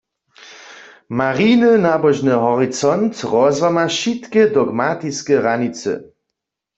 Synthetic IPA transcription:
maʁinɨnabɔʒnɨɦɔʁit͡sɔnt̪ʁɔzwamaʃit̪kɛd̪ɔɡmat̪iskɛʁanit͡sɛ̰

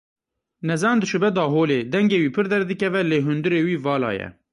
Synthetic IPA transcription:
nɛzɑːnd̪ɨʃɨbɛd̪ɑːɦoːleːd̪ɛŋɡeːwiːpʰɨɾd̪ɛɾd̪ɨkɛvɛleːɦʊnd̪ɨɾeːwiːvɑːlɑ̰ːjɛ̰

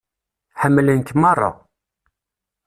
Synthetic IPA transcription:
ħəmːlənkmɑrˤːɑ̰

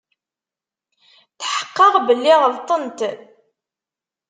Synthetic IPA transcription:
θħə̥qːəʁbəlːiʁəlt̪ˤənt̪

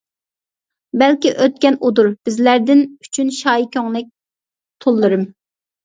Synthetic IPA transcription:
bɛlkʲiʔøt̪̚kʲɛnud̪uɾb̥ɪzlæɾd̪ɪny̥t͡ʃʰynʃɑːjikʲøŋlɛk̚ʲ | t̪ʰolˠːɨɾɨm

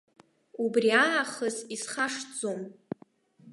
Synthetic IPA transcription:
ubriaaχəzisχaʂd͡zo̞m

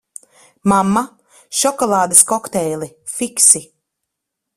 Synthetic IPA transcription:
mamːa | ʃɔkɔlˠaːd̪ɐskɔkt̪ɛjlˠi | fiksi

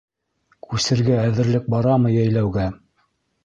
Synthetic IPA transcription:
kʰʉsɘ̆ɾɡæːðɘ̆ɾlɘk̚bɑɾɑmɤjæjlæwɡæ

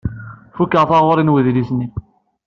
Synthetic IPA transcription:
fukːəʁθɑʁoɾˤinwəðlisni

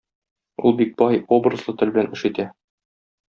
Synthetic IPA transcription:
ṵlˠbik̚b̥ɒɑjobrɤ̆zlˠɤt̪ɵ̆lbɘ̆lænʔɘ̆ʃɘ̆t̪æ

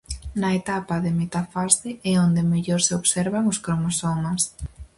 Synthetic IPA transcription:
nɐet̪apɐðemet̪afaseɛond̪emeʎoɾseoβsɛɾβaŋʊskɾomosomɐs

